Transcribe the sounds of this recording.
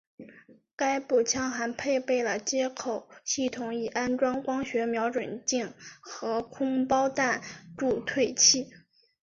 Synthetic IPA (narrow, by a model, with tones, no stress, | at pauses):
ka˥ɪpu˥˩t͡ɕʰjɑ˥ŋxa˧˥npʰe˥˧ɪpe˥˩ɪlə˩t͡ɕjɛ˥kʰo˨˩˦ʊɕi˥˩t̪ʰʊ˨˩ŋi˨˩a˥nʈ͡ʂwɑ˥ŋkwɑ˥ŋɕɥɛ˧˥mjɑ˧˥ʊʈ͡ʂwə˨˩nt͡ɕi˥˩ŋxɤ˧˥kʰʊ˥ŋpɑ˥ʊt̪a˥˧nʈ͡ʂu˥˧t̪ʰwe˥˧ɪt͡ɕʰi˥˩